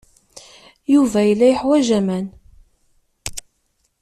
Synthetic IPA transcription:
juvæjəlːæjəħwæʒæmæn

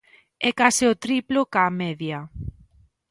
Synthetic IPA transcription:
ɛkasɪot̪ɾiplokamɛðja

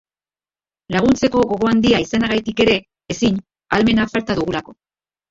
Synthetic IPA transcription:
laɣ̞unt͡se̞ko̞ɣo̞ɣo̞and̪iaisanaɣajt̪ike̞ɾe̞ː | siɲ | alme̞nafalt̪aðuɣ̞ulako̞

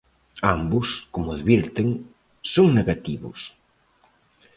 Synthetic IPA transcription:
ambʊskomʊaðβiɾt̪ɪŋ | soŋneɣat̪iβʊ̰s

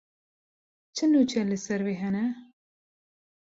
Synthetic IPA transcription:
t͡ʃʰɨnut͡ʃʰɛlɨsɛɾveːɦɛnɛ

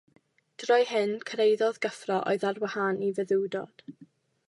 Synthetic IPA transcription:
d̥rɔjhɨnkʰəɾejðɔðɡ̥əfrɔʔɔ̰ɨðarwahanivəðɪwdɔ̰d̥

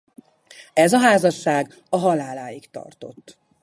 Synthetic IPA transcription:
ɛzɒɦaːzɒʃːaːɡ | ɒɦɒlaːlaːjikt̪ɒ̰rt̪o̞̰t̪ː

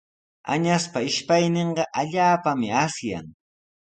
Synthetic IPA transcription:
a̰ɲaspaɪʃpajneɴɢɑʔaʎaːpamɪasja̰ŋ

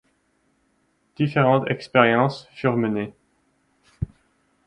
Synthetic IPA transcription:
d̪̥ifeʁɑ̃t̪ɛkspeʁjɑ̃sfyʁməne

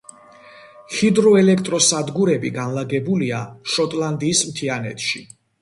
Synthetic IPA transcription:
χid̪ɾɔɛlɛkʰt̪ʼɾɔsad̪ɡuɾɛbiɡanlaɡɛbuliaʃɔt̪ʼlˠand̪iːsmt̪ʰianɛ̰t̪ʰʼʃi

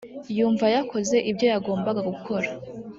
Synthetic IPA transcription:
juːɱvajakʰo̞ze̞ʔibjo̞jaɡo̞ːmbaɡaɡukʰo̞ɾa

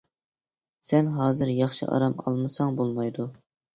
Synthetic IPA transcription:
sɛnɦɑːzɨɾjɑχʃḭʔɑ̰ɾɑmɑ̰lˠmɨsɑŋbolˠmɑjd̪u

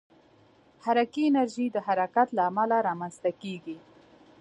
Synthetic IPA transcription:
haɾakiɪnaɾʒid̪əhaɾakat̪laːmalaɾɑmanzt̪akeɡi

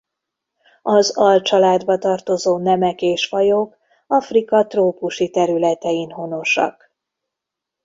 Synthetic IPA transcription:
ɒzɒlt͡ʃɒlaːd̪bɒt̪ɒrt̪o̞zoːnɛmɛkeːʃfɒjok | ɒfrikɒt̪roːpuʃit̪ɛɾylɛt̪ɛjinɦo̞no̞ʃɒ̰k

